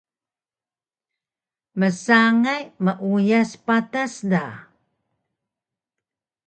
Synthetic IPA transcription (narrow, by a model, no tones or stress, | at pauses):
məsaŋajməʔujaspatasda